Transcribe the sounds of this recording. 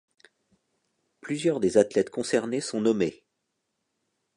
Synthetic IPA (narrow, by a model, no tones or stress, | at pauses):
plyzjœʁd̪ezat̪lɛt̪kɔ̃sɛʁnesɔ̃nɔme